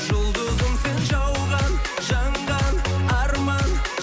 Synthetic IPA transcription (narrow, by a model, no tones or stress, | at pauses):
ʒ̥ʊlˠd̪əzəmse̞nʒɑwʁɑn | ʒɑɴʁɑnɑɾmɑn